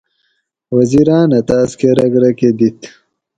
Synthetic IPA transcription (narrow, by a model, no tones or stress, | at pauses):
wɐziɾãːnɐt̪aːskeɾɐɡɾɐked̪it̪